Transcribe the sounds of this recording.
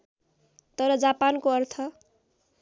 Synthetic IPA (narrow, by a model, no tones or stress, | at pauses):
t̪ʌɾʌd͡zapankoʌrt̪ʰʌ